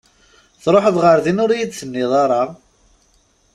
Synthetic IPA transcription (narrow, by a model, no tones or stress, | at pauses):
θɾˤoħəðˤʁəɾðinʊɾjid̪θənːɪðˤɑɾˤɑʁ